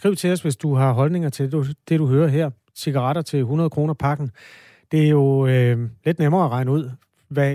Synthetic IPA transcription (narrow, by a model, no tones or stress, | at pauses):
sɡ̥ʁiʊ̰t͡sʰe̝ɒ̽sʋe̝sd̥uɦɑ̈ɦɒ̽lne̝ŋɐt͡sʰe̝d̥e̝ɾ̥uɦøːɐɦeɐ̰ | siɡ̥ɑ̈ʁɑɾɐt͡sʰe̝lɦunɐðˠkʰʁo̝ːnɐpʰɑ̈ɡ̥n̩ | d̥e̝æɐjo̝ | le̝d̥nemɐːæʁɑ̈ɪnəuð̞̰ˠ | ʋæ